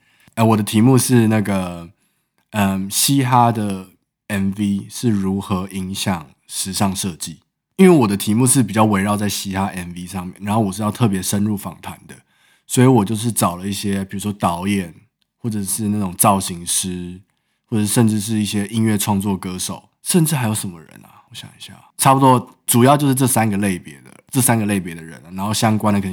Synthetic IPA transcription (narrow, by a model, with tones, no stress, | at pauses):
ə˧wɔ˨˩d̪ə˦t̪ʰi˧˥mu˥˧ʂɻ̩˥˧na˥˩ɡə˩ | ə˨mɕi˦xa˥d̪ə˨ | ɛ˨˥nvi˦ʂɻ̩˥˩ɻu˧˦˥xɤ˧˦ʔi˧˦˥ŋɕjɑ˨˩ŋ | ʂɻ̩˧˥ʂɑ˥˧ŋʂɤ˥˧t͡ɕi˥˩ | i˦nwe˥˩wɔ˨˩d̪ə˦t̪ʰi˧˦˥mu˥˧ʂɻ̩˥˩p̬i˨˩t͡ɕjɑ˥˩ʊwe˧˥ɪɻɑ˥˧ʊt͡sa˥˩ɪɕi˥xa˦ʔɛ˨nvi˦ʂɑ˥˧ŋmjɛ˥˩˨nɻa˧˥nxo˥˩ʊwɔ˨˩ʂɻ̩˥˧jɑ˥˧ʊt̪ʰɤ˥˩p̬jɛ˧˥ʂə˦nɻu˥˩fɑ̰˨˩ŋt̪ʰwa˧˦nd̪ə˧ | swɔ˧˥i˧˥wɔ˨˩t͡ɕjo˥˧ʊʂ̬ɻ̩˥˩ʈ͡ʂɑ˨˩ʊlə˦i˥˩ɕjɛ˥pi˨˩ɻu˧˥ʂwɔ˥t̪ɑ˧˥ʊjɛ˨˩n | xwɔ˥˩ʈ͡ʂə˨˩ʂɻ̩˥˧na˥˩ʈ͡ʂʊ˨˩ŋt͡sɑ˥˩ʊɕi˧˥ŋʂɻ̩˥ | xwɔ˥˩ʈ͡ʂʂə˥˧nʈ͡ʂɻ̩˥˧ʂ̬ɻ̩˥˧i˥˩ɕjɛ˥ʔi˥nɥɛ˥˧ʈ͡ʂʰwɑ˥˧ŋt͡swɔ˥˨˩kɤ˦ʂo˨˩ʊ | ʂə˥˧nʈ͡ʂɻ̩˥˩ha˧˥ɪjo˧˥ʊʂə˧˦nmə̰˦ɻə̰˧˦na̰˨wɔ˧˦ɕjɑ̰˨˩ŋi˧˥ɕja̰˥˩ʈ͡ʂʰa˥pu˨t̪wɔ˦ | ʈ͡ʂu˨˩jɑ˥˧ʊt͡ɕjo˥˧ʂɻ̩˥˧ʈ͡ʂɤ˥˩sa˦˥nɡə˨le˥˩ɪpjɛ˧˥d̪ə̰˨ʈ͡ʂɤ˥˩sa˥nɡə˨le˥˩ɪp̬jɛ˧˥d̪ə˨ɻə̰˧˦n˨˩na˧˥nxo˥˩ʊɕjɑ˥ŋkwa˥nd̪ə˨kʰə˨˩˨